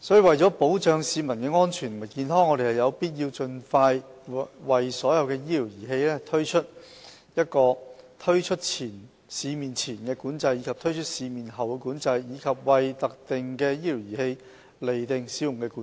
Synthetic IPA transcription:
sɔː˨˥jiː˨˧wɐ˨jt͡ʃɔː˨˥po˨˥wt͡ʃœː˨˧ŋsiː˨˧mɐ˨˩nkɛː˧ŋɔː˥nt͡ʃʰyː˨˩n˨mɐ˨˩kiː˧nɦɔː˥ŋːɔː˧ɾe˨˩hɐ˨˩jɐ˨˧wpiː˥t̬̚jiː˧wt͡ʃɵ˧nfaː˧jwɐ˨jsɔː˨˥jɐ˨˧wkɛː˧jiː˥li˨˩wjiː˨˩ɦe˧jlɛː˥t̪ʰɵ˥ɥt͡ʃʰɵ˥t̚ | jɐ˥t̚kɔː˧t̪ʰɵ˥ɥt͡ʃʰɵ˥t̚t͡sʰiː˨˩n | siː˨˧miː˨nt͡sʰiː˨˩nkɛː˧kuː˨˥nt͡sɐ˧jːiː˨˧kʰɐ˨p̚t̪ʰɵ˥ɥt͡ʃʰɵ˥t̚siː˨˧miː˨nɦɐ˨˩wkɛ˧kuː˨˥nt͡sɐ˧jjiː˨˧kʰɐ˨p̚wɐ˨˩jt̪ɐ˨k̚t̪ɪ˨ŋkɛː˧jiː˥liː˨˩wjiː˨˩he˧j | le˨˩jt̪ɪ˨ŋsiː˨˧˥jʊ˨˩ŋkɛː˧ku˨˦

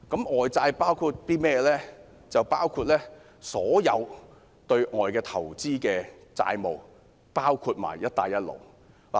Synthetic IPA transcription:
kɐ˨˥mɔː˨jt͡saː˧jpaː˥wkʰu˧t̚t̪iː˥mɛː˥˧lɛː˥ | t͡sɐ˨wpaː˥wkʰuː˧t̚lɛː˥ | sɔː˨˥jɐ˨˧w | t̪ɵ˧ɥʔɔː˨jkɛː˧t̪ʰɐ˨˩wt͡siː˥kɛː˧ | t͡sa̰ː˧jmo˨˩w | paː˥wkʰu˧t̚ma̰ː˨˩jːɐ˥t̚t̪aː˧jːɐ˥t̚lo̰˨˩w | la̰˨

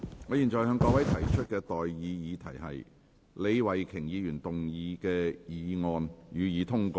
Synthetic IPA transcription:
ŋɔː˨˧jiː˨˩nt͡ʃɔː˨jhœː˨˧ŋkɔː˧˥wɐ˨˥jt̪ʰɐ˨˩jt͡ʃʰɵ˥t̚kɛː˧t̪ɔː˨jːiː˨˧jiː˨˧t̪ʰɐ˨˩jhɐ̰˨j | le˨˧jwɐ˨˩jkʰɪ˨˩ŋjiː˨˧jyː˨˩nt̪ʊ˨ŋjiː˨˧kɛː˧jiː˨˧ŋɔː˨njyː˨˧jiː˨˧t̪ʰʊ˥ŋkɔː˧

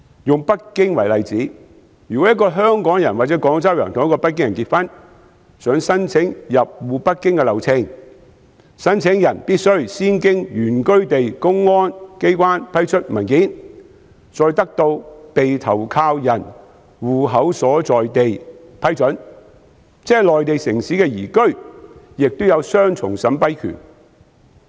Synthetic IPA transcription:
jʊ˨ŋpɐ˥t̚kɪ˥ŋwɐ˨˩jlɐ˨jt͡siː˨˥ | jyː˨˩kɔː˨˥jɐ˥tkːɔː˧ɦœː˥ŋkɔː˨˥ŋjɐ˨˩nwaː˨˩t͡sɛ˨˥kɔː˨˥ŋt͡sɐ˥wjœː˨˩ŋt̪ʰʊ˨jɐ˥kɔː˧pɐ˥t̚kːɪ˥ŋjɐ˨˩nkiː˧t̚fɐ˥n | sœː˨˥ŋsɐ˥nt͡sʰɪ˨˥ŋjɐ˨p̚wuː˨pɐ˥t̚kːɪ˥ŋkɛ˧lɐ˨wt͡sʰɪ˧ŋ | sɐ˥nt͡sʰɪ˨˥ŋjɐ˨˩npiː˥t̚sɵ˥ɥsiː˥nkɪ˥ŋjyː˨˩nkɵ˥ɥt̪e˨jkʊ˥ŋːɔː˥nke˥jkwaː˥npʰɐ˥jt͡ʃʰɵ˥t̚mɐ˨˩nkiː˨˥n | t͡sɔː˨˧jt̪ɐ˥k̚t̪o˧wpe˨jt̪ʰɐ˨˩wkʰaː˧wjɐ˨˩n | wuː˨ɦɐ˨˥wsɔː˨˥t͡sɔː˨jt̪e˨jpʰɐ˥jt͡sɵ˨˥n | t͡sɛː˥lɔː˨jt̪e˨jsɪ˨˩ŋsiː˨˥kɛː˧jiː˨˩kɵ˥ɥjɪ˨k̚t̪o˥wjɐ˨˧wsœː˥ŋt͡sʰʊ̰˨˩ŋsɐ˨˥mpɐ˥jkʰy̰ː˨˩n

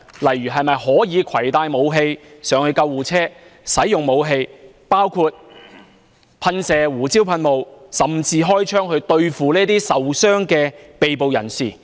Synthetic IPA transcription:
lɐ˨˩jːyː˨˩ɦɐ˨jmɐ˨jhɔː˨˥jiː˨˧kʰɐ˨˩jt̪aː˧jmo˨˧wɦe˧jsœː˨˥ŋhɵ˧ɥkɐ˧wːuː˨˩t͡sʰɛː˥sɐ˨˥jːʊ˨˩ŋmo˨˧wɦe˧j | paː˥wkʰuː˧t̚ | pʰɐ˧nsɛː˨wuː˨˩t͡si˥wpʰɐ˧nmo˨˧wsɐ˨mt͡siː˧ɦɔː˥jt͡ʃʰœː˥ŋhɵ˧ɥt̪ɵ˧ɥfuː˨liː˥t̪iː˥sɐ˨wsœː˥ŋkɛː˧pe˨˧jp̬o˨wjɐ˨˩nsḭː˨˩

